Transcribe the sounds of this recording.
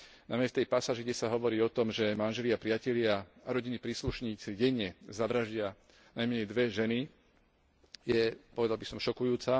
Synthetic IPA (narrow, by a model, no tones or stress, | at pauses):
namɲɛft̪ɛjpasaːʒiɡɟɛsaɦɔʋɔɾiːɔt̪ɔmʒɛmanʒɛlɪapɾɪacɛʎɪaaɾɔɟinipɾiːsluʃɲiːt͡siɟɛɲɛzaʋɾaʒɟɪa | najmɛɲɛjd̪ʋɛʒɛni | jɛpɔʋɛd̪albisɔmʃɔkujuːt͡sa